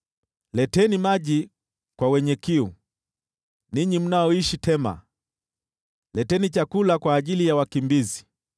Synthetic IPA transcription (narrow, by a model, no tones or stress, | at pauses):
lɛtɛnimaʄi | kwawɛɲɛkiu | niɲim̩naɔiʃitʰɛma̰ | lɛtɛnit͡ʃakulakwaːʄilijawakimbizi